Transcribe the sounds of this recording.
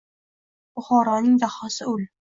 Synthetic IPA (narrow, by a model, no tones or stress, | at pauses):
bʊχɒːɾɒnɪŋd̪aχɒsɪʊl